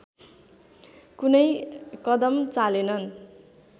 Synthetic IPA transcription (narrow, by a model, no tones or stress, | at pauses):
kunʌjkʌd̪ʌmt͡salenʌn